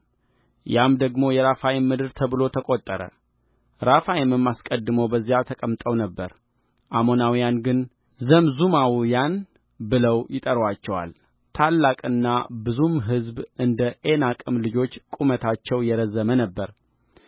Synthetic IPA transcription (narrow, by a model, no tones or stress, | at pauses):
jamd̪əɡmo̞jɛɾafajɪmːɨd̪ɨɾt̪ʰəβɨlo̞t̪ʰəkʼot̪ʼːəɾə̰ | ɾafajɪməmːaskʼəd̪ːɨməwbəzːijat̪ʰəkʼəmt̪ʼəwnəbːəɾ | ʔamo̞nawjanɡɨn | zəmzumawjan | bɨləwjɪt̪ʼəɾwat͡ʃːɛwa̰l | t̪ʰalːakʼɨnːabɨzumɦɨzbʔɨnd̪əʔe̞nakʼɨmlɨd͡ʒo̞t͡ʃːkʼumət̪ʰat͡ʃːɛwjɛɾəzːəmənəbːəɾ